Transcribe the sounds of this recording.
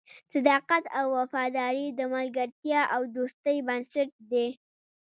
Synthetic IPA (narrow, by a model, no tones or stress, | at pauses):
sɪd̪ɑqat̪awːafɑd̪ɑɾid̪əmalɡaɾt̪jɑʔawd̪ost̪əjbansɪʈ̚d̪e